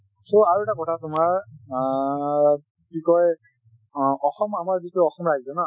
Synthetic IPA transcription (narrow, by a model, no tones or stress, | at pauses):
soaɹuɛtakɔtʰatumaɹ | bikɔj | ɔxɔmamaɹzikʊɔxɔmɹazɔna